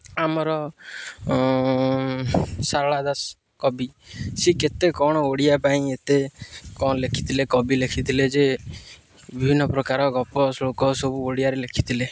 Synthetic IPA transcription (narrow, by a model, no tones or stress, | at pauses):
amɔɾɔ | saɾɭad̪as | kɔbisiket̪ekɔɽ̃ɔoɽijapaĩet̪ekɔ̃ɔlekʰi̥t̪ʰilekɔbilekʰit̪ʰiled͡ʒe | bibʱinːɔpɾɔkaɾɔɡɔpɔslokɔsobuoɽijaɾelekʰi̥t̪ʰile